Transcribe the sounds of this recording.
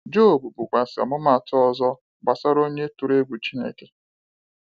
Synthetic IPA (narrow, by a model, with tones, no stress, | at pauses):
d͡ʒo˦˨bu˨bu˨kʷa˨sɪ˨a̰˨mʊ˦ma˨tɔ˦zɔ˦ | ɡ͡ba˨sa˦ɾo˦ɲe˦tu˨ɾe˦ɡʷu˨t͡ʃi˦nḛ˦˨ke˨